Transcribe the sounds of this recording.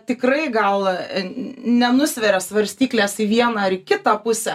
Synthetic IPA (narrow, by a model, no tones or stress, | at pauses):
t̪ʲɪkrɐɪɡɐlˠ | nʲɛnʊsʲʋʲɛɾʲɛsʋɐɾʲsʲt̪ʲiːklʲeːsiʋʲiɛnɑːɐɾɪkʲɪt̪ɑpʊsʲɛ